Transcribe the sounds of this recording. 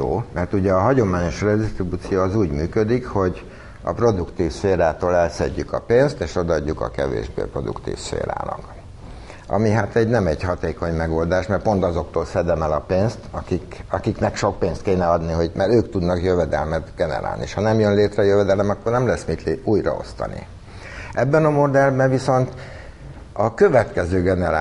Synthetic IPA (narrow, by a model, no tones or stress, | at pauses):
o̰ːmɛrt̪uɟɛɒɦɒɟo̞maːɲo̞ʃrɛd̪ist̪ribut̪sijoːɒzuːɟmyːkød̪ikho̞ɟ | ɒ̰pro̞d̪ukt̪iːfʃeːɾaːt̪oːlɛlsɛ̰ɟːykɒ̰peːnst̪eːʃo̞d̪ɒɒɟːukɒ̰kɛ̰vḛːʒbḛːpro̞d̪ṵkt̪ḭːfʃḛːɾa̰ːlɒ̰k | ɒ̰miɦat̪ɛɟnɛmɛɟhɒt̪eːko̞ɲmɛɡo̞ld̪aːʃmɛrtpo̞nt̪ɒzo̞k̚t̪oːlsɛd̪ɛmɛlɒpeːnst̪ɒkikɒkiknɛkʃo̞k̚peːnst̪̚keːnɛɒd̪niɦo̞ɟmɛɾøːkt̪ud̪nɒkjøvɛd̪ɛlmɛt̪ɡ̥ɛnɛ̰ɾa̰ːlniʃhɒnɛmjønleːt̪rɛjøvɛd̪ɛlɛmɒkːo̞rnɛmlɛsːmit̪luːjrɒ̰o̞̰st̪ɒ̰nḭ | ʔɛbːɛnɒmo̞d̪ɛlbɛɱviso̞nt̪ | ɒkøvɛt̪kɛzøːɡɛnɛɾaː